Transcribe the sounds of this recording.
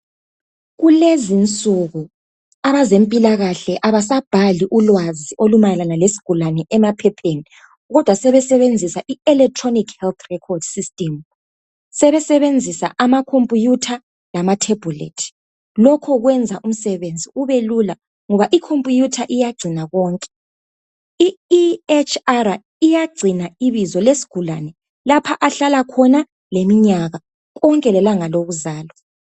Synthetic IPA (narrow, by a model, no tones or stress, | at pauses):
ɣulezint͡sʼuɣu | aβazempʼilaɣaɬɛʔaβas̬ab̥ʱaliʔulwaziʔolumajɛlanalesi̥ɡ̥ʱulanɛʔɛmapʰɛpʰeni | ɣɔd̥ʱwasɛβɛsɛβend͡zʱisaʔiɛlɛk̚tʰʼronikhɛlt̪rɛkʰɔrd̥sistʼɛm | sɛβɛsɛβend͡zʱisa̰ʔamakʰompʼujutʰa | lamatʰeb̥ʱulḛtʰi̥ | lɔkʰɔɣwɛnd͡zʱaʔum̩sɛβend͡zʱiuβelula | ŋɔβaʔikʰompʼujutʰaʔijaɡ͡ǀʱinaɣɔːŋkʼɛ̥ | iet͡ʃʰara | ijaɡ͡ǀʱinaiβizɔlesi̥ɡ̥ʱulanɛ | lapʰaʔaɬalakʰɔna | lemiɲaɣa | ɣɔŋkʼɛlɛlaŋaloɣuzaːlɔ